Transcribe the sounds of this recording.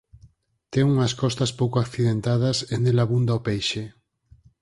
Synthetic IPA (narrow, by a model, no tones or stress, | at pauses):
t̪ɛŋuŋɐskɔst̪ɐspowkoakθiðent̪að̞ɐsenelaβund̪aopejʃe